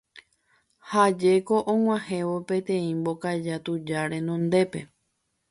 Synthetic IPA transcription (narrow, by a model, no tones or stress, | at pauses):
had͡ʒe̞ko̞ʔõŋ̃ʷãhẽ̞ʋo̞pẽ̞t̪ẽ̞ĩmbo̞kad͡ʒat̪ud͡ʒaɾe̞nõ̞nd̪e̞pe̞